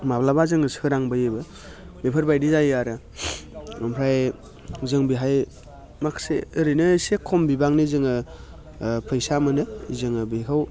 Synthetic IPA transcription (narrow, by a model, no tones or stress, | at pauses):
mablabazɯŋɯsɯɾaŋbɯjɯbɯ | bepʰɯɾbajdizajaɾɯ | ɯmpʰɾaj | zɯŋbiɦaj | makʰsḛːɾɯnɯsekʰɔmbibaŋnɯzɯŋɯ | pʰɯjsamɯnɯizɯŋɯbikʰaw